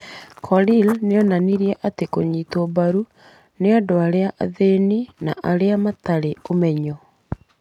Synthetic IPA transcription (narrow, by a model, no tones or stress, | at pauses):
kʰɔlilneɔnaniɾiɛʔatekoɲiːtobaɾu | neadoaɾeaʔaðeninaʔaɾeamataɾeomɛɲɔ